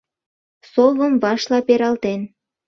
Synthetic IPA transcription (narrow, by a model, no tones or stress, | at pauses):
soβə̆mbɑʃlɑpeɾɑlt̪en